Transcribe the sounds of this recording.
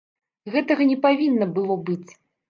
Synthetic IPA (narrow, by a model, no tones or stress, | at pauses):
ɣɛt̪ɐɣɐnʲɛpavʲinːɐbɨlˠɔbɨt͡sʲ